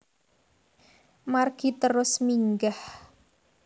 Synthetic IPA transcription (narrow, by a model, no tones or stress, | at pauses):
marɡ̥it̪əɾʊsmiŋɡah